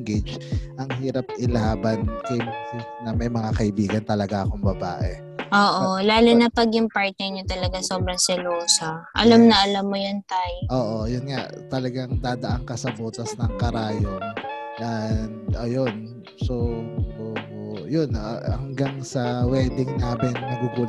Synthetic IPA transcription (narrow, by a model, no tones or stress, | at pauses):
ŋɡed͡ʒʔɐŋɦiːɾɐp̚ʔɪlaːbɐnkɐmsɪnɐmɐjmɐŋakɐʔɪbiːɡɐnt̪ɐlɐɡaʔɐkoŋbɐbaːʔɛ | ʔoːʔolaːlʊnɐpɐɡjʊŋpaɹt̪̚nɛɹɲot̪ɐlɐɡasoːbɾɐŋsɪloːsɐʔɐ̰lamnɐʔɐlamːojont̪ajʔoːʔo̞jʊnŋa̰t̪ɐlɐɡaŋd̪aːd̪ɐʔaŋkɐsɐboːt̪ɐsnɐŋkɐɾaːjononɐ | ʔɐjo̞n | soʔoːʔojonɐŋɡaŋsɐwɛːd̪ɪŋnaːmɪnnɐɡuɡuːl